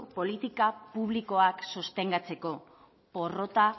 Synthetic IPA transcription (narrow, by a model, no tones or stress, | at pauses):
po̞lit̪ikapuβ̞liko̞aksost̪e̞ŋɡat͡se̞ko̞ | po̞ro̞t̪a